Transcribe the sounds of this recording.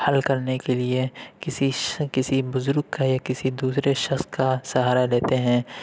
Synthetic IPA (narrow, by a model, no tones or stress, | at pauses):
hɐlkɐɾnekeliekɪsikɪsibʊzʊɾɡ̚kajakɪsid̪uːsɾeʃɐχskasɐɦaːɾaleːt̪eɦɛ̃ː